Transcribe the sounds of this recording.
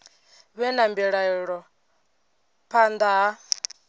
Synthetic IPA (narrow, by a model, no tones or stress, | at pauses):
βɛnambiɺaiɺɔ | pʰand̪a